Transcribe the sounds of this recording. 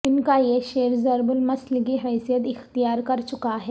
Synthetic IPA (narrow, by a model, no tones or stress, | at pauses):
inkajeɕeɾzəɾbulmɐslɡiɦəjsjəd̪ixt̪ijaɾkəɾt͡ʃukaɦe